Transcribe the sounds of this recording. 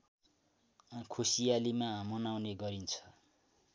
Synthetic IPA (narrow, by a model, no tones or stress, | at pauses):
kʰusijalimaɦmʌnawneɡʌɾint͡sʰʌ̥